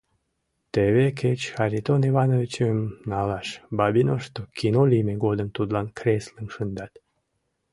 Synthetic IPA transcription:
t̪eβekʰet͡ɕxɑɾʲit̪onivɑnovʲit͡ɕəmnɑlɑʃbɑbinoʃt̪okinolimeɡod̪əmt̪ud̪lɑnkɾʲeslənʃənd̪ɑt̪

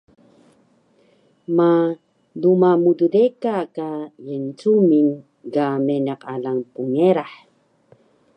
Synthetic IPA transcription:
ma | lumamududekakajənt͡sumin | kamenaqalaŋpuŋeɾaħ

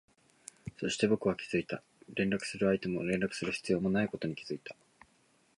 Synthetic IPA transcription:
so̞ɕi̥t̪e̞bo̞kɯ̟βakʲi̥z̥ɨit̪a | ɾẽ̞nɾakɯ̟̥sɨɾɯ̟ait̪e̞mo̞ɾẽ̞nɾakɯ̟̥sɨɾɯ̟çi̥t͡sɨjo̞ːmo̞naiko̞t̪o̞ɲ̟ikʲi̥z̥ɨit̪ḁ

